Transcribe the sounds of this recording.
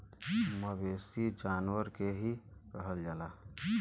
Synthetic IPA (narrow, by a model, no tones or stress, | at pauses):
məbesid͡ʒanʋəɾkeɦiɾəɦəld͡ʒaːla